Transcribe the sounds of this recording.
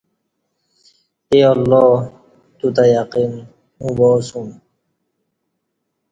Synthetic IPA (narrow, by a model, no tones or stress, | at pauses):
eːʌlːɔː | t̪ut̪ajaqiːn | mũbɔːsum